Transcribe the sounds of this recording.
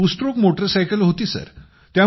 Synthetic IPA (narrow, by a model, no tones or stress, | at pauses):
usʈɾokmoʈəɾsajkəlɦot̪iːsə̰ɾ | t̪ja